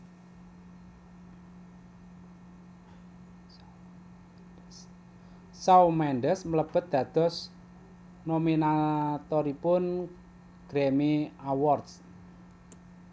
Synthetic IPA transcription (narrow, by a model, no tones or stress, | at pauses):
saumɛɳɖəsmələb̥ə̤t̪̚d̪̥ä̤d̪̥ɔ̤s | nominat̪ɔɾipʊn | ɡ̥ɾemiawɔrt̪s